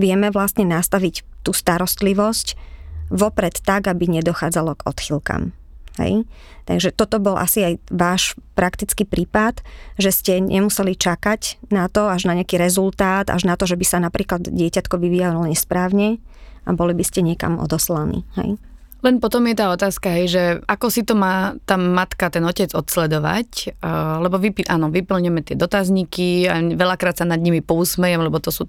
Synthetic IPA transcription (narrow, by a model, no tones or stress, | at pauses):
ʋɪɛmɛʋlast̪ɲɛnast̪aʋict̪uːst̪aɾɔst̪liʋɔscʋɔpɾɛt̪ːaɡabiɲɛd̪ɔxaːd͡zalɔɡɔ̰t̪xilka̰m | hɛ̰j | t̪a̰ɡʒɛt̪ɔt̪ɔbɔlʔa̰siajʋaːʃpɾakt̪it͡skipɾiːpat̪ʒɛscɛɲʔɛ̰musɛlit͡ʃakacnat̪ɔaʒnaɲɪakiːɾɛzult̪aːd̪a̰ʒnat̪ɔʒɛbisanapɾiːklad̪ɟɪɛcat̪kɔʋiʋiːjalɔlɔlɛɲɛspɾaːwɲɛa̰bɔlibiscɛɲɪɛka̰mɔ̰d̪ɔslanḭːhɛ̰j | lɛnpɔt̪ɔmjɛt̪aːɔt̪aːskaɦɛjʒɛakɔsit̪ɔmaːt̪amat̪kat̪ɛnɔcɛd͡zɔt̪slɛd̪ɔʋa̰clɛbɔʋipiʔanɔʋipl̩ɲɛmɛt̪ɪɛd̪ɔt̪azɲikiaʋɛlakɾaːt̪sanad̪ɲimipɔusmɛjɛmlɛbɔt̪ɔsuː